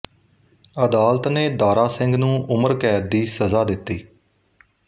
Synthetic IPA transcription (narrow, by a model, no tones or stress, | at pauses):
əd̪aːlt̪neːd̪aːɾaːsɪ̃ŋɡnũːʔʊməɾkɛːt̪̚d̪iːsəzaːd̪ɪt̪ːiː